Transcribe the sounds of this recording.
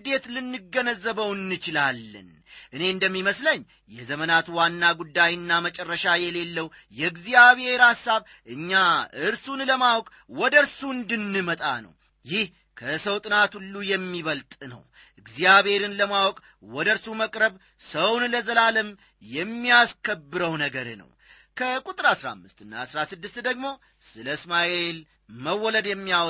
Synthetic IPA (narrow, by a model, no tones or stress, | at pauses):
d̪e̞t̪lɨnːɨɡːənəzːəβəwɨnːɨt͡ʃɪlalːɨ̰n | ʔɨne̞ɨnd̪əmːiməsləɲː | jɛzəmənat̪wanːaɡud̪ːajɨnːamət͡ʃʼɛrːəʃajɛle̞lːəwjɛɨɡzijaβhe̞ɾasːaβ | ʔɨɲːaɨɾsunləmawɔkʼ | wɔd̪əɾsuɨnd̪ɨnːɨmət̪ʼa̰nə̰w | jɪh | kʰəsəwt̪ʼɨnat̪ulːujɛmːiβəlt̪ʼnə̰w | ʔɨɡzijaβhe̞ɾɨnləmawɔkʼ | wɔd̪əɾsuməkʼɾəβ | səwnləzəlaləm | jɛmːijaskʰəbːɨɾəwnəɡəɾnə̰w | kʰəkʼut̪ʼɨɾasɾa̰mːɨst̪ɨnːa̰sɾasɨd̪ːɨst̪d̪əɡmo̞ | sɨləɨsmaʔe̞l | məwːɔləd̪jɛmːijaw